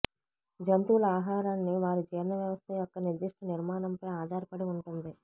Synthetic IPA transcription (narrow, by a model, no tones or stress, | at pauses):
d͡ʒɐnt̪uːlɐaːɦaːɾanːiʋaːɾud͡ʒɛːɾnɐʋjɐʋɐst̪ʰɐjɔkːɐniɾd̪iʂʈʰɐniɾmaːɳɐmpɐjaːd̪ʱaːɾpɐɽiuɳʈund̪i